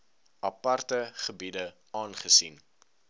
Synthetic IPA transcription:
ɐpɐrtəχəbidə | ɑːnχəsin

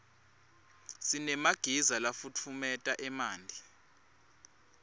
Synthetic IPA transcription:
sinɛmaɡ̥ʱizalafut͡fʰumɛtʼaʔɛmaːndʱi

